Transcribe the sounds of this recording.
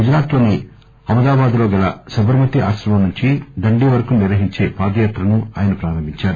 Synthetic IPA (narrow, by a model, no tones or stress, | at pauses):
ɡud͡ʒɾaːt̪ʋoːni | ɐmɐd̪aːbaːd̪lo̞ːɡɐlɐ̰sɐbɐɾɐmɐt̪iaːʃɾɐmɐmnuɲt͡ʃid̪ɐɳɖiːʋɐɾɐkuniɾʋɐɦiɲt͡ʃe̞ːpaːd̪ɐjaːt̪ɾɐnuaːjɐnɐpɾaːɾɐmbʱiɲt͡ʃaːɾu